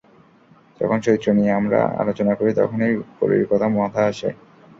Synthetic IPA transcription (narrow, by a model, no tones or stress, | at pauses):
d͡ʑɔ̰kʰonʃoit̪ːɾonijeamɾa̰a̰lot͡ɕonakoɾit̪ɔ̰kʰoneɾpo̰ɾḭɾikɔt̪ʰamɔt̪ʰaaʃḛ